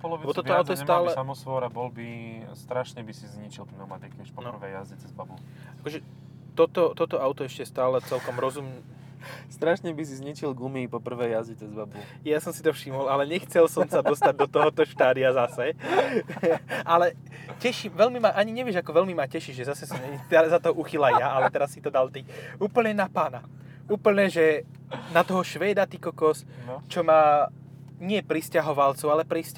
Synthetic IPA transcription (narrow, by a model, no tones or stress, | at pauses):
bɔlɔbiɛbɔt̪ɔiɔaʊtt̪ɔjɛsɛmt̪aːlɛamɔsʋɔɾabɔlbist̪ɾaʃɲɛbisizɲit͡ʃilpnɛmat̪ikiuʃpɔnprʋɛjazit͡sɛzbabu | akɔʒɛ | t̪ɔt̪ɔt̪ɔt̪ɔaʊt̪ɔɛʃcɛst̪aːlɛt͡sɛlkɔmɾɔzum | st̪ɾaʃɲɛbis̬izɲit͡ʃilɡumiːpɔpr̩ʋɛjːazd͡ʑit͡sɛzbabu | jasɔmsit̪ɔfʃimɔlalɛɲɛxt͡sɛlsɔmsad̪ɔst̪aɟ̚d̪ɔt̪ɔɦɔt̪ɔʃt̪aːd̪iazasɛ | alɛ | cɛʃimʋɛlmimaʔaɲiɲɛʋɪɛʒakɔʋɛlmimacɛʃiʒʒɛzasɛsɔmɲɛt̪ɛɾzat̪ɔɦʔuxilajaʔalɛt̪ɛɾasːit̪ɔd̪alt̪iuːpl̩ɲɛnapaːna | uːpl̩ɲɛʒɛ | nat̪ɔɦɔʃʋɛːd̪at̪ikɔkɔs | t͡ʃɔmaː | ɲɪɛpɾiscaɦɔʋalt͡suʊalɛpɾisc